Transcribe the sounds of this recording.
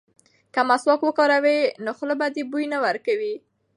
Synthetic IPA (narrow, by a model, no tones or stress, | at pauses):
kamaswɑkwəkɑɾawenoxlobad̪ebujnawaɾkawi